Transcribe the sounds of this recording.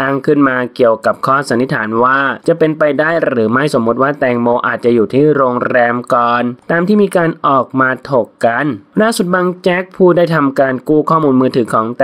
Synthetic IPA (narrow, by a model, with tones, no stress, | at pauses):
aː˧ŋkʰɯ˥˩nmaː˧ki˨˩əwka˨˩p̚kʰɔː˥˩sa˨˦nːi˦˥t̪ʰaː˩˦nwaː˥˩t͡ɕa˨˩pe˧npa˧jdaː˥˩jɾɯː˩˦ma˥˩jso˩˦mːu˦˥t̪̚waː˥˩t̪ɛː˨˧ŋmoː˧ʔaː˨˩t̪̚t͡ɕa˨˩juː˨˩t̪ʰiː˥˩ɾoː˧ŋɾɛː˧mkɔː˨˩nt̪aː˧mt̪ʰiː˥˩miː˧kaː˧nʔɔː˨˩k̚maː˧t̪ʰo˨˩kːa˧nlaː˥˩su˨˩t̪̚baː˧ŋt͡ɕɛ˦˥k̚pʰuː˥˩daː˥˩jt̪ʰa˧mkaː˧nkuː˥˩kʰɔː˥˩muː˧nmɯː˧t̪ʰɯː˩˦kʰɔː˩˦ŋt̪